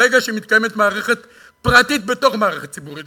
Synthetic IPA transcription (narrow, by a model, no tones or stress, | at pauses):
eɡaʃimit̪̚kajemetmaːʁe̞χe̞t | pʁatit̚be̞to̞χmaːʁeχet̚t͡sibuʁit